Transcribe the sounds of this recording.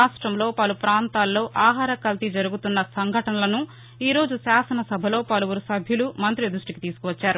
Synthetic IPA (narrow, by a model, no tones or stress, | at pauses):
aːʂʈɾɐmlo̞ːpɐlupɾaːnt̪aːlːo̞ːʔaːɦaːɾɐkɐlt̪id͡ʒɐɾuɡut̪unːɐsɐŋɡʱɐʈɐnɐlɐnu | iːɾo̞ːd͡ʒuʃaːsɐnɐsɐbʱɐlo̞ːpɐluʋuɾusɐbʱjulumɐnt̪ɾid̪ɾuʂʈikit̪iːsu̥kuʋɐt͡ʃːaːɾu